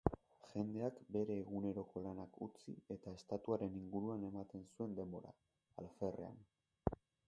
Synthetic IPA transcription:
ʝe̞nd̪e̞akbe̞ɾe̞ːɣune̞ɾo̞ko̞lanakut͡sḭe̞t̪ae̞st̪at̪uaɾe̞niŋɡuɾuane̞mat̪e̞nsue̞nd̪e̞mbo̞ɾa̰ː | lfe̞re̞̰a̰n

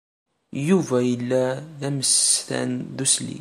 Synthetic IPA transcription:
juvæjəlːæðæməst̪æ̰nðuslḭ

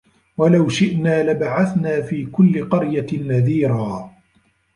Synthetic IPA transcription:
walawʃɪʔnaːlabaʕaθnaːfiːkʊlːɪqɑɾjanːaðiːɾaː

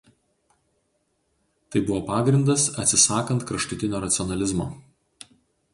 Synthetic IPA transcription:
t̪ɐɪbʊʋoːpɑːɡɾʲɪnd̪ɐsɐt̪ʲsʲɪsɑːkɐnt̪kɾɐʃt̪ʊt̪ʲɪnʲoːɾɐt̪sʲɪɔnɐlʲɪzmo̰ː

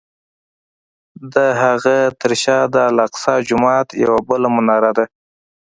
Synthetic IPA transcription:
d̪əɦaɣat̪əɾʃɑd̪əalɑqsɑd͡ʒʊmɑt̪ja̰wabəlamʊnɑɾad̪a

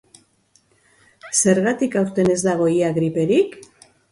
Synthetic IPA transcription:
se̞ɾɣat̪ikawɾt̪e̞ne̞zd̪aɣ̞o̞iaɣɾipe̞ɾik

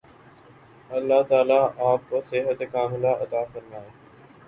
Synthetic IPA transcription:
ɐlːaːt̪aːlaːaːp̚kosɪɦət̪ekʰãːɦʊlaːʔɐt̪aːfəɾmaːɦeː

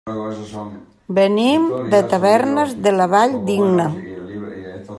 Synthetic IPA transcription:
bənimd̪ət̪əβɛɾnəzðələβaʎd̪iɡnə

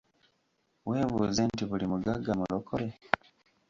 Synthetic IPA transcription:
we̞ːβuːze̞ntiβulimuɡaɡamulokʰole

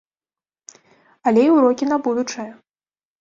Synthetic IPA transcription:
alʲɛiwɾɔkʲinabud̪ut͡ʂɐjɐ

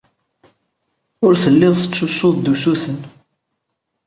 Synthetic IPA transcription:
ʊɾθəlːɪðˤθət͡sːʊsːoðd̪usuθən

